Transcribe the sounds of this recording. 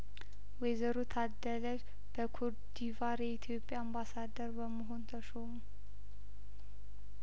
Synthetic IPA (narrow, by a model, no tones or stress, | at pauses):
wejzəɾut̪ʰad̪ːələd͡ʒ | b̥əkʰoɾd̪ivaɾjɛit̪ʰjo̞pʼːjaːmbasad̪əɾbəməɦo̞nt̪ʰəʃomu